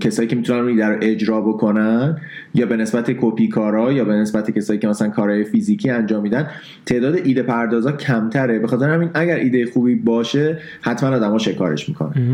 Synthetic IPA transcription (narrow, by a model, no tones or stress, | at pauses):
cʰe̞sɒːjiːcʰe̞mit̪ʰunænuniːd̪æɾoʔe̞d͡ʒɾɒːbo̞kʰo̞nænjɒːbe̞ne̞sbæt̪ʰe̞kʰopʰiːkʰɒːɾɒːjɒːbe̞nesbæt̪ʰecʰe̞sɒːjiːcʰemæsælænkʰɒːɾhɒːjefiziːcʰiːænd͡ʒɒːmːiːd̪æn | t̪ʰeʔd̪ɒːd̪eʔiːd̪e̞pʰæɾd̪ɒːzɒːcʰæmt̪ʰæɾe̞be̞xɒːt̪e̞ɾehæmiːnæɟæɾʔiːd̪e̞jexuːbiːbɒːʃe̞ | hæt̪mænɒːd̪æmɒːʃe̞kʰɒ̰ːɾeʃmḭːkʰo̞̰næn